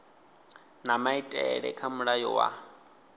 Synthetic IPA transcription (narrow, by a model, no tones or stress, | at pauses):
namaitʼɛɺɛ̰kʰamuɺajɔ̰wa̰